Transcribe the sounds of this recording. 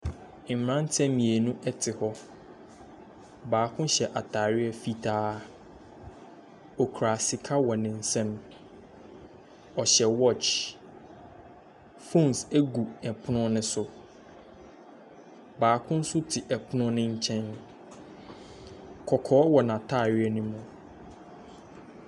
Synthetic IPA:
m˨ɾã˦n̩˦tʰɛ̃˦mĩ˨e˨nũ˦ʔɛ˦tʰɪ˨hɔ˦ | baː˨kʰʊ̃˦ɕɛ˨ʔa˨tʰaː˨ɾɪ˦ɛ˦fi˦tʰaː˦ | ɔ˨kʰɾa˨sɪ˨kʰa˦wɔ˨nɪ̃˨n̩˨sɛ̃˦m | ɔ˨ɕɛ˨wɔ˦˨t͡ʃ | fõ˦˨nsæ˦ɡu˨ɛ˨pʰʊ˦nʊ̃˦nɪ̃˦sʊ˨ | baː˨˦kʰʊ̃˦n̩˦sʊ˦tʰɪ˨ʔɛ˨pʰʊ˦nʊ̃˦nɪ̃˦ɲ̩˦t͡ɕʰɛ̃˦n | kʰɔ˨kʰɔː˨˦wɔ˨nã˨tʰaː˦˨ɾɥɪ˦ɛ˦nũ˦mʊ̃˨

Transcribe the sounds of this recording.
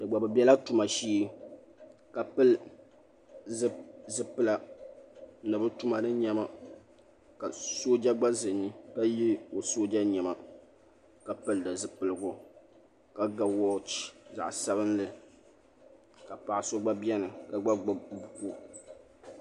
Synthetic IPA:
dɨ˨ɡ͡ba˨bɨ˨bjɛ˦la˦tu˨ma˨ʃiː˦ | ka˨pɨ˦l | zɨ˨zɨ˨pɨ˦la˨ | nɨ˨bɨ˦tu˦ma˨nɨ˦ɲɛ˦ma˦ | ka˨so˦d͡ʒa˦ɡ͡ba˦zɨ˨ni˦ka˦ji˦o˨soː˦d͡ʒa˦ɲɛ˨ma˨ | ka˨pɨ˦ldɨ˨zɨ˨pɨ˨lɨ˨ɡʊ˨ | ka˨ɡa˨wɔ˦t͡ʃi˨za̰˨ʔsa˦βɨ˦nlɨ˦˨ | ka˨pa˨a˨so˦ɡ͡ba˦bjɛ˦nɨ˨ka˨ɡ͡ba˦ɡ͡bbu˨ko˦

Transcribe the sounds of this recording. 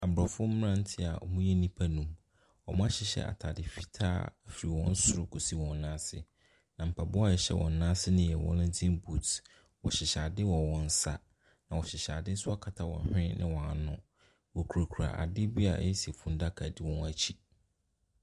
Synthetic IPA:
a˨bɾa˨fʊ˦m̩˦m̃˦ã˦n̩˦tʰɪ˦˨a̰˨ɔ̰˨mũ˦jɛ˦nĩ˦pʰa˦nũ˦m | ɔ˨mʊ̃˦a˦ɕɪ˨ɕɛ̰˦a̰˨tʰa˨dɪ˨fi̥˦tʰa̰ː˦˨fi˨i˨wɔ̰̃˦n̩˦sʊ˦ɾʊ˦kʰɔ˨si˦wɔ̃˨n˨˦nãː˦sɪ̰˨ | nã˨m̩˨pʰa˨bʊ˦a˦˨ɛ˨ɕɛ̰˦wʔɔ̰̃˨n˨˦nãː˦sɪ˦nɪ̃˦jɛ˨wɔ̰̃˦nɪ̃˦d͡zʰɪ̃˦mbu˦˨t | wɔ˨ɕɪ˨ɕa˨dɪ˦wɔ̃˨wɔ̃˦n̩˦sa̰˦ | nã˨wɔ˨ɕɪ˨ɕa˨dɪ˦n̩˦sʊ˦a˦kʰa˨tʰa˨wɔ̰̃˨n˦hᶣɪ̃˦nɪ̃˦wɔ̃˨a˨nʊ̃˦ | wɔ˨kʰu˨ɾa˨kʰu˨ɾa̰˨ʔa̰˨dɪ˦bi˦a̰˨˦jɛ˦si˨e˨fũ˨n˦da˦kʰa˨di˦wɔ̃˦na˨t͡ɕʰi˦

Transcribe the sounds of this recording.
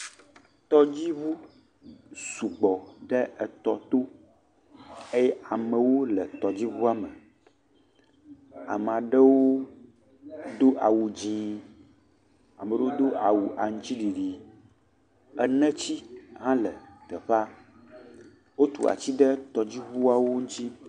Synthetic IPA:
t̪ɔ˦d͡ʑi˦βu˦ | su˨ɡ͡bɔ˨ɖɛ˦ʔɛ˨t̪ɔ˨t̪o˦ | e˦jɛ˦a˨mə̃˨wo˦lə˨t̪ɔ˨d͡ʑi˦vu˦a˦mə˨ | a̰˨m˨ã˨ɖə˦wo˦ | d̪o˦ʔa˨wu˨d͡ʑĩ˨˦ | a˨mə˨ɖə˦wo˦d̪o˦ʔa˨wu˨ʔa˨ŋ̩˦t͡ɕi˦ɖi˨ɖi˨ | ɛ˦nɛ̃˦t͡ɕi˦ɦã˦lə˨t̪ɛ˨ɸa˦ | wo˦t̪ṵ˨a̰˨t͡ɕi˦ɖə˦t̪ɔ˨d͡ʑi˦βu˦a˨wo˦ŋũ˦t̪i˦

